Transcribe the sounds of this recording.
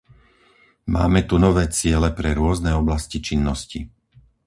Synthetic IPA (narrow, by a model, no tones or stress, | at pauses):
ma̰ːmɛt̪unɔʋɛːt͡sɪɛlɛpɾɛɾʊɔznɛɔblascit͡ʃinːɔsci